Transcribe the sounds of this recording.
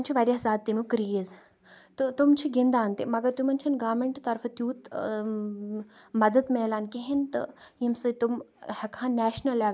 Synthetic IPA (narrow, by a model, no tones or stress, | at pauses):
nt͡ʃʰiʋaɾʲjazaːd̪̚t̪ːimʲukɾiiz | t̪ut̪umt͡ʃʰiɡind̪aːnt̪imɐɡɐɾt̪umɐnt͡ʃʰɐnɡaːʋmeɳʈt̪ɐɾfʰt̪juːt̪ | mɐd̪əd̪meːlaːnkeɦent̪ɨ̰jimsɨt̪umhɐkʰãːnnæːʃnɐla